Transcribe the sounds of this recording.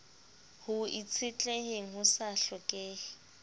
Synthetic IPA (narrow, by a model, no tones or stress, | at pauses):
hʊit͡sʰɪt͡ɬʼeɦeŋ̩ɦʊsaɬɔkʼeː